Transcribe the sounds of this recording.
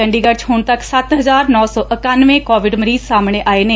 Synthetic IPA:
əɳɖiːɡəɾt͡ʃɦʊɳt̪əksət̪ɦəzaːɾnɔːsɔːʔəkaːnʋẽːkɔːʋɪɖməɾiːzsaːmɽeːʔaːeːneː

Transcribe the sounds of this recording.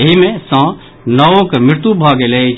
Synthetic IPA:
eɦimẽsãː | nɐokmɾɪɾt̪ubʱaːɡelet͡ʃ

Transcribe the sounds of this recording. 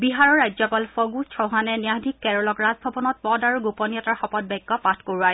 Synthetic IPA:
biɦaɹɔɹːajzɔpalfɔɡut͡ʃʰɔwɦanɛniadʱikːɛɹɔlɔkɹazbʱɔbɔnɔt̚pɔdaɹuɡopɔniɔtaɹxɔpɔt̚bɛɡːɔpatʰkoɹuaɹɛ

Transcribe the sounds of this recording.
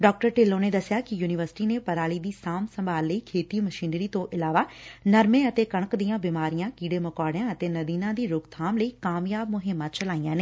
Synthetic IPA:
ɖɔːk̚ʈəɾʈɪlːõːned̪ɐsɪjaːkɪjuːnɪʋəɾsɪ̥ʈiːnepɐɾaːlid̪iːsaːmsɐ̃mbʱaːlːəiːkʰeːt̪iːmɐʃiːnɾiːt̪õʔɪlaːʋaːnɐɾmẽɐt̪eːkɐɽ̃əkd̪ijãːbɪmaːɾijãːkiːɽeːmɐkaːɽɪjãːɐt̪eːnɐd̪iːnãːd̪iːɾʊɡt̪ʰaːmləiːkaːmjaːb̚mʊɦɪmːãt͡ʃɐlaːijãːne

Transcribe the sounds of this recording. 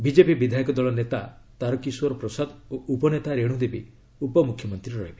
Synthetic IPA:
bid͡ʒepibid̪ʱaikɔd̪ɔɭɔnet̪a | t̪aɾɔkisuwɔɾɔpɾɔsad̪oʔupɔnet̪aɾeɽ̃ũd̪ebi | upɔmukʰjɔmɔnt̪ɾiɾɔɾɔɦibi

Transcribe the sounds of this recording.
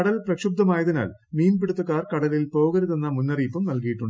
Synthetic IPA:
ɐɽɐlprɐkʂub̚d̪ɐmaːjɐðina̰ːl | miːmpiɽut̪ːukːaːrkɐɽɐlilpoːɣɐɾuðenːɐmunːɐriːpːɐmnɐlkijiʈːuɳɖ

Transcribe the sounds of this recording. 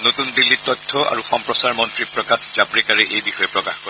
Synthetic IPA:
notundilːit̚tːɔtʰːɔa̰ɹuxɔmpɹɔsaɹmɔntɹipɹɔkaszapɹikaɹɛʔejbixɔjɛpɹɔkaxkɔɹɛ

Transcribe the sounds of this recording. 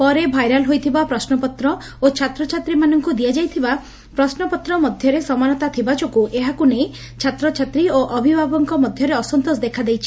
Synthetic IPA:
pɔɾebʱajɾalɦojt̪ʰibapɾɔsnɔpɔt̪ɾɔ | ot͡ʃʰat̪ɾɔt͡ʃʰat̪ɾimanɔŋkud̪iad͡ʒajt̪ʰiba | pɾɔsnɔpɔt̪ɾɔmɔd̪ʱjɔɾesɔmanɔt̪at̪ʰibat͡ʃokuʔeɦakunej | t͡ʃʰat̪ɾɔt͡ʃʰat̪ɾioʔɔbʱibʱabɔŋkɔmɔd̪ʱjɔɾeɔsɔnt̪osd̪ekʰad̪ejt͡ʃʰi̥

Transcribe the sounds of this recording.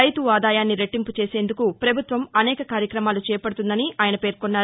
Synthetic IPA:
ɐjt̪uʋaːd̪aːjaːnːiɾeʈːimput͡ʃe̞ːseːnd̪ukupɾɐbʱut̪ʋɐmɐnɛːkɐkaːɾjɐkɾɐmaːlut͡ʃɛːɐpɐɽut̪und̪ɐniaːjɐnɐpe̞ːɾkonːaː

